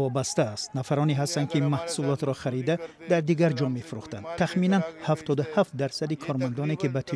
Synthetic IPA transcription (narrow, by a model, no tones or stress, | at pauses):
ɔbast̪aːst̪nafaɾɔniɦast̪and̪kʰimahsulɔt̪ɾɔχaɾid̪a | d̪aɾd̪iɡaɾd͡ʒɔme̞fuɾuχt̪and̪t̪ʰːaχminanhaft̪ʰɔd̪uhaft̪̚d̪aɾsad̪ikʰɔɾmand̪ɔnekibat̪ʰi